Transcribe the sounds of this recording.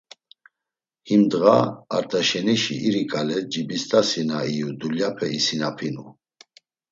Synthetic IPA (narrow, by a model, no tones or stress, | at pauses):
himd̪ɣaaɾt̪ʰʼaʃɛniʃḭiɾikʼalɛd͡ʒibist̪ʼasinaijud̪uljapʰɛisinapʰinu